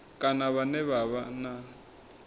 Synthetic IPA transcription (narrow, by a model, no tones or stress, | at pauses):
kʼanaβanɛβaβana